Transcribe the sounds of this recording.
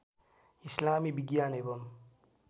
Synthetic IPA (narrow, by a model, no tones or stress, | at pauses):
islaːmibiɡjaːnebɐm